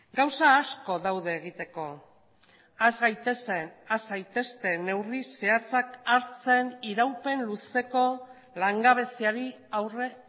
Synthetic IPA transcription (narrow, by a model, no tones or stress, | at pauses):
ɡawsaːsko̞ðawðe̞ːɣit̪e̞ko̞ | azɣajt̪esenazɣajt̪e̞st̪e̞ne̞wrise̞at͡sakaɾt͡se̞niɾawpe̞nluse̞ko̞ | laŋɡaβ̞e̞siaɾi | awre